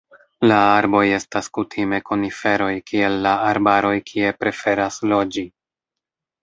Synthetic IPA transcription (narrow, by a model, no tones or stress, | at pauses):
laaɾbo̞je̞staskutʰime̞konife̞ɾo̞jkie̞lːaaɾbaɾo̞jkʰie̞pɾe̞fe̞ɾaslo̞d͡ʒi